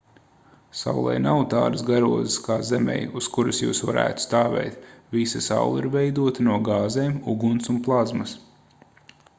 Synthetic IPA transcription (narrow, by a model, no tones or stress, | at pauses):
sa̰wlˠɛ̰jnawt̪a̰ːɾɨsɡaɾuɔziskaːzɛmɛ̰juskuɾusjṵːsʋaɾʔæ̰ːt̪u̥st̪aːvɛ̰jt̪vʲisasa̰wlˠiɾvɛjd̪uɔt̪anuɔɡaːzeːmuɡunsunplˠazmɐs